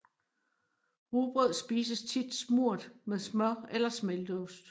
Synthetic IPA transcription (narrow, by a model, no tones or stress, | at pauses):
ʁuːb̥ʁɔð̰ˠsb̥iːsəst͡sʰid̥smuɐ̰d̥meðˠsmœelɐsmeld̥əosd̥